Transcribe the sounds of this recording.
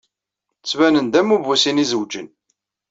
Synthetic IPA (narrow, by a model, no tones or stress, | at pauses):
t͡sːvænənd̪æmuvusinizəwd͡ʒən